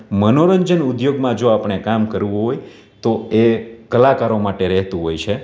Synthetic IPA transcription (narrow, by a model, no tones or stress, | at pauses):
mənoɾəɲd͡ʒənud̪joɡmãd͡ʒoapɳ̃ekamkəɾʋũɦoj | t̪oekəlakaɾomaʈeɾɛɦt̪ũɦojt͡ʃʰe